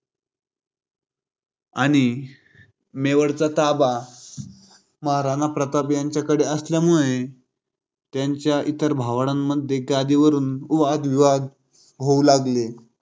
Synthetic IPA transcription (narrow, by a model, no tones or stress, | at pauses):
aɽ̃i | meʋəɽt͡sat̪aba | məɦaɾanapɾət̪abjaɲt͡ɕjakəɽeəsljamuɭe | t̪jaɲt͡ɕjaʔit̪əɾbʱaʋɽ̃amːəd̪ʱjeɡad̪iʋəɾuːnuʋad̪ʋiʋad̪ | ɦoulaɡle